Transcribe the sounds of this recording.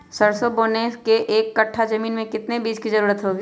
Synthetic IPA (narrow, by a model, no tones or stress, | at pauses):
sɐɾsoboːneːskeʔeːkːɐʈʰːad͡ʒɐmiːnmẽkɪt̪nebiːd͡ʒkizɐɾuːɾət̪ɦoːɡiː